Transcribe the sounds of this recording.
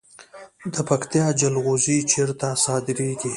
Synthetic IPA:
d̪əpakt̪ijɑd͡ʒalɣozit͡ʃʰeɾt̪asɑd̪ɪɾeɡi

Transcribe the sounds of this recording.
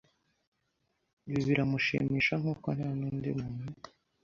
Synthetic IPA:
βiβiɾamuʃḭːmiːʃaŋ̥uːkon̥haːnindimunu

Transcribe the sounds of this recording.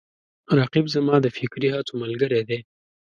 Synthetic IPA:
ɾɑqibzamɑd̪əfɪkɾiɦɑt͡soməlɡəɾed̪e

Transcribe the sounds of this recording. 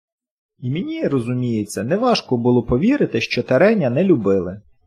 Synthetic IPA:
imʲenʲirɔzʊmʲijet͡sʲːɐnɛʋɑʃkɔbʊlˠɔpɔʋʲiɾɪt̪ɪʃt͡ʃɔt̪ɐɾɛnʲːɐnɛlʲʊbɪlˠɪ

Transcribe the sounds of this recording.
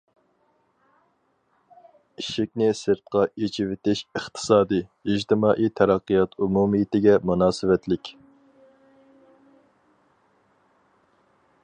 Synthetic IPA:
iʃɪkʲnɪsɨɾt̪̚qɑʔet͡ʃʰɪwɪt̪ɪʃəχt̪ʰɨ̥sɑːd̪ɨid͡ʒt̪ʰɪmɑːʔit̪ʰɛɾɑqːijɑt̪ʰumumɨjɪt̪ɪɡʲɛmunɑːsɨvɛt̪lɪkʲ

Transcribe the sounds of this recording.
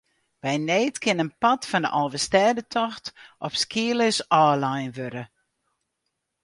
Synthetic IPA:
bɛjneːtkʰɪnənpɔtfɔndə̰ʔɔlˠvəstɛːdətʰɔxtʔɔpskiələsɔːlajnʋøɾə

